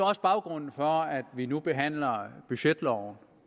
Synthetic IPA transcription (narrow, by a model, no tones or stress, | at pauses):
ɒ̽sb̥ɑ̈ʊɡ̥ʁɔ̽n̰n̩fɒæd̥ʋinub̥e̝ɦæn̰lɐb̥yɕed̥lɒʊn̩